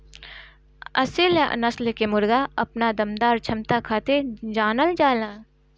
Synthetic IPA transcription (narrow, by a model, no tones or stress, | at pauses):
ɐ̰sɪl̰nɐslkemʊɾɡaɐpnad̪ɐmd̪aːɾt͡ʃʰɐmt̪akʰaːt̪ed͡ʒaːnəld͡ʒaːlãː